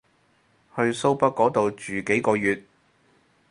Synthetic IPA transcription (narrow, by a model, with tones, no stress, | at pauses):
hɵ˧ɥso˥wpɐ˥t̚kːɔː˨˥t̪o˨˧wt͡ʃyː˨ke˨˥jkɔː˧jyː˨t̚